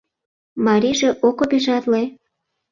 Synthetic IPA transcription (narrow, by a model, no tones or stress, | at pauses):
mɑɾiʒeʔokobiʒɑt̪le